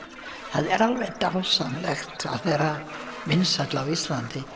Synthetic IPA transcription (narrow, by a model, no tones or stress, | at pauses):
haðɛɾalˠvɛdahɔsanlɛxtʰa̰θɛɾamɪnsadlawɪslantʰi